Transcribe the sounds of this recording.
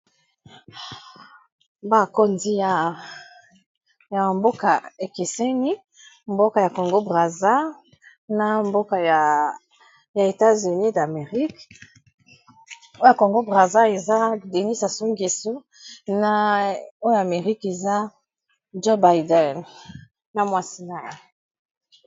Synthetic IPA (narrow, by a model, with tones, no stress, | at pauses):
ba˨ko˦nzi˦ja˨ | ja˨mbo˦ka˨e˨ke˨se˦ni˦ | mbo˦ka˨ja˨ko˨ŋɡo˦bʁa˨za˦ | na˨mbo˦ka˨ja˨ | ja˨e˨ta˦zy˨ni˦da˨me˨ʁi˦k | o˦a˨ko˨ŋɡo˦bʁa˨za˦e˨za˦de˨ni˦sa˨so˦ŋɡe˨su˦ | na˨o˦jo˨a˨me˨ʁi˦ke˨za˦ | d͡ʒo˦ba˨jdɛ˨n | na˨mwa˦si˦na˨je˨